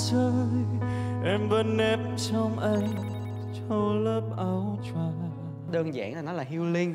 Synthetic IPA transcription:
sə˧jʔɛ˧mvə˧˦nːɛ˦˥p̚t͡ɕɔ˧wŋ͡mʔa˧j | t͡ɕɔ˧wləː˦˥p̚ʔə˨˧˩wt͡ɕa˨˧˩ | ɗəː˧nza̰ː˧˩˨ŋʔaː˨˩nɔ˨˦laː˨˩ɦi˧wli˧ŋ

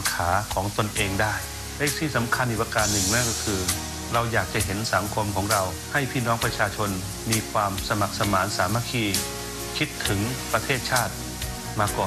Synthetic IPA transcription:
nkʰaː˩˦kʰɔː˩˦ŋt̪o˧nʔeː˧ŋdaː˥˩j | lɛː˥˧˩k̚siː˧˥˩sa˩˦mkʰa˧nʔi˨˩pa˧kaː˧˩nnɯ˨˩ŋnɛ˦˥˨nkɔː˧˩kʰɯː˧ | ɾa˧wjaː˨˩k̚t͡ɕa˧˩ɦe˩˦nsa˩˦ŋkʰo˧mkʰɔː˩˦ŋɾa˧w | ha˧˩jpʰiː˥˩nɔː˦˥ŋpɾa˧t͡ɕʰaː˧t͡ɕʰo˧n | miː˧kʰwaː˧msa˧ma˨˩k̚sa˧maː˩˦nsaː˩˦ma˧kʰiː˧ | kʰi˦˥t̪ʰːɯ˩˦ŋpɾa˧t̪ʰeː˥˩t̪̚t͡ɕʰaː˥˩t̪̚ | maː˧kɔː˨˩n

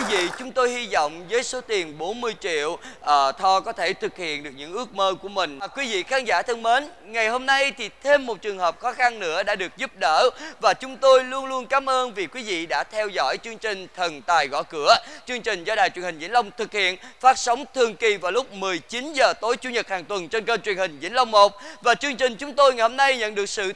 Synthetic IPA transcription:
i˨˦vḭ˧˨t͡ɕʊ˨˦ŋ͡mt̪o˧jhi˧zɔ̰˧˨wŋ͡mzəː˨˦jso˨˦t̪i˨˩ənɓo˨˦nmɨ˧əjt͡ɕḭ˧˨əwʔəː˨˩t̪ʰɔ˧kɔ˨˦t̪ʰe˧˩t̪ʰɨ˨˩k̚hḭ˧˨ənɗɨ˨˩ək̚ɲɨ̰˧˥ŋʔɨ˦˥ək̚məː˧ku˧˩əmï˨˩ŋ̟˨˩kwi˨˦vḭ˧˨xaː˨˧nza̰ː˧˥t̪ʰə˧ŋmeː˨˦n | ŋa˨˩jho˧mna˧jt̪ʰi˨˩t̪ʰe˧mːo˨˩t̚t͡ɕɨ˨˩əŋhəː˨˩p̚xɔ˨˦xa˧nːɨ̰˧˥əɗa̰ː˧˥ɗɨ˨˩ək̚zu˦˥p̚ɗə̰ː˧˩vaː˨˩t͡ɕʊ˨˦ŋ͡mt̪o˧jlu˧ənlu˧ənkaː˨˦mʔəː˧nvi˨˩kwi˨˦vḭ˧˨ɗa̰ː˧˥t̪ʰɛ˧wzɔ̰˧˥jt͡ɕɨ˧əŋt͡ɕï˨˩ŋ̟t̪ʰə˨˩nt̪aː˨˩jɣɔ̰˧˨kɨ˧˥ət͡ɕɨ˧əŋt͡ɕï˨˩ŋ̟zɔ˧ɗaː˨˩jt͡ɕwnhi˨˩ŋzḭ˧˥ŋlə˧wŋ͡mt̪ʰɨ˨˩k̚hḭ˧˨ənfaː˦˥t̚sə˨˦wŋ͡mt̪ʰɨ˨˩əŋki˨˩vaː˨˩wlʊ˦˥k͡p̚mɨ˨˩əjt͡ɕi˨˦nzəː˨˩t̪o˨˦jt͡ɕu˧˥ɲə˨˩t̚haː˨˩ŋt̪wə˨˩nt͡ɕe˧nkəː˧nt͡ɕwi˨˩ənhï˨˩ŋ̟zḭ˧˥ŋlə˧wŋ͡mmo˨˩k͡p̚vaː˨˩t͡ɕɨ˧əŋt͡ɕï˨˩ŋ̟t͡ɕʊ˨˦ŋ͡mt̪o˧jŋa˨˩ho˧mna˧jɲə̰˧˨nɗɨ˨˩ək̚sɨ̰˧˨

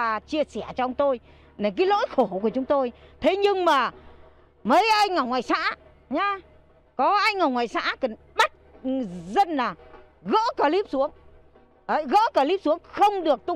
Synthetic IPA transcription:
a˨˩t͡ɕi˧əsɛ˧˩ət͡ɕɔ˧ʔə˧wŋ͡mt̪o˧j | ɗe˨˩kaː˨˦jlo̰˧˥jxo˧˩ku˧˩ət͡ɕʊ˨˦ŋ͡mt̪o˧jt̪ʰe˨˦ɲɨ˧ŋmaː˨˩ | mə˨˦jʔa˧jŋŋa˨˩wŋwaː˨˩jsa̰ː˧˥ | ɲaː˧ | kɔ˨˦ʔa˧jŋ̟ŋa˨˩wŋwaː˨˩jsa̰ː˧˥kə˨˩n | ɓa˦˥t̚zə˧nlaː˨˩ | ɣə̰ː˧˥kaː˨˩li˦˥p̚su˨˦əŋ | ə˨˦jɣə̰ː˧˥kaː˧˩li˦˥p̚su˨˦əŋxə˧wŋ͡mɗɨ˨˩ək̚t̪ʊ˧ŋ͡m

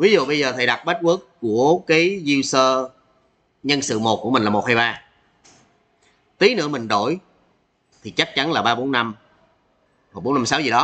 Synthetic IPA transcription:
vi˨˦zṵ˧˨ɓə˧jzəː˨˩t̪ʰə˨˩jɗa˨˩t̚ɓə˦˥t̚ʔə˦˥əkːu˧˩əkaː˨˦jzi˧wsəː˧ | ɲə˧nsɨ̰˧˨mo˨˩t̚ku˧˩əï˨˩ŋ̟lːmo˨˩t̚haː˧jɓaː˧ | t̪i˨˦nɨ̰˧˥əmï˨˩ŋ̟ɗo˧˩˨j | t̪ʰi˨˩t͡ɕa˦˥k̚t͡ɕa˨˦nlaː˨˩ɓaː˧ɓo˨˦nːa˧m | hoː˨˩ɓo˨˦nːa˧msaː˨˦wzi˨˩ɗɔ˨˦

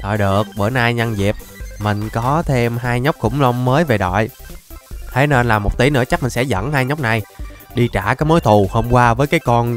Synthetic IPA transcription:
ɗɔ̰˧˨˩jɗɨ˨˩ək̚ɓəː˧˩naː˧jɲa˧nzi˨˩p̚mï˨˩ŋ̟kɔ˨˦t̪ʰe˧mɦaː˧jɲə˦˥wk͡p̚kʊ̰˧˥ŋ͡mŋ͡mməː˨˦jve˨˩ɗɔ̰˧˨j | t̪ʰe˨˦ne˧nlaː˨˩mo˨˩k͡p̚t̪i˨˦nɨ̰˧˥ət͡ɕa˦˥k̚mï˨˩ŋsɛ̰˧˥zə̰˧˥nhaː˧jɲə˦˥wk͡p̚na˨˩jɗi˧t͡ɕa̰ː˧˩kaː˨˦jmo˨˦jt̪ʰu˨˩ho˧mkwaː˧vəː˨˦jkaː˨˦jkɔ˧n

